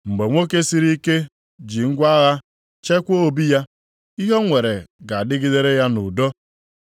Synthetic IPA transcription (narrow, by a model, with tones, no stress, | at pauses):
ŋ͡m̩˨ɡ͡be˨ŋʷo˦ke˦si˦ɾi˦ke˦ | d͡ʒi˨ŋ̩˦ɡʷa˦ɣa˦ | t͡ʃe˦kʷo˦˨bi˦ja˦ | i˦ɦo˦ŋʷe˨ɾe˨ɡa˨a˨dɪ˦ɡɪ˦de˦ɾe˦ja˦nu˨do˦